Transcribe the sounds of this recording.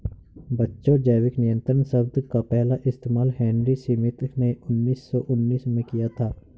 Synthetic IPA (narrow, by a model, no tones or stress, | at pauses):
bɐtːʃõd͡ʒəːʋɪknɪjə̃nt̪ɾənsɐbd̪kapɛɦlaʔɪst̪eːmaːlɦɛ̃ːnɾisiːmɪt̪neʊnːiːsːɔʔʊnːiːsmẽkijat̪ʰaː